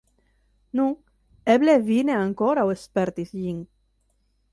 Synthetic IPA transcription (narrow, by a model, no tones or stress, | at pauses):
nuŋ | eblevineaŋkoɾawespeɾt̪isʎiŋ